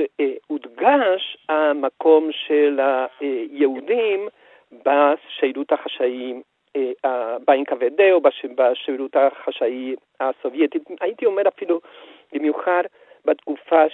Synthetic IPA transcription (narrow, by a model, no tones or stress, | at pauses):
ud̪ɡaʃamako̞mʃelajeudim | baʃejɾut̪haχaʃai | abainkavedeobabaʃejɾut̪aχaʃai | aso̞vjet̪itait̪io̞me̞ʁafilu | bimjuχad | bat̪kufa